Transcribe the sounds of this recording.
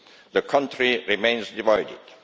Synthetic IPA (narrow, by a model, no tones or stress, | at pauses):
d̪əkʰʌ̃ntɹiɹimẽɪ̃nsdivaɪdɪ̰d̥